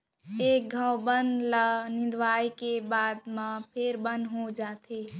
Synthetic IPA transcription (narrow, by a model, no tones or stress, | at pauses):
ek̚ɡʱəwbənd̪lənɪd̪ʋajkebaːd̪mãpʰeɾbənd̪ɦod͡ʒat̪ʰe